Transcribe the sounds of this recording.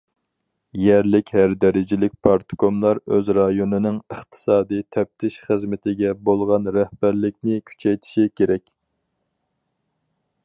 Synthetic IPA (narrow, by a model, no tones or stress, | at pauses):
jɛɾlɪkʲhæɾd̪ɛɾɪd͡ʒɪlɪk̚ʲpʰɑɾt̪ʰkomlˠɑɾøzɾɑjonɨnɨŋəχt̪ʰɨ̥sɑːd̪ijt̪ʰɛp̚t̪ʰɪʃχəzmɪt̪ʰɪɡʲɛbolˠʁɑnɾɛhb̥æɾlɪkʲnɪkʲʰy̥t͡ʃʰɛjt̪ʰɪ̥ʃikʲʰeɾɛkʲ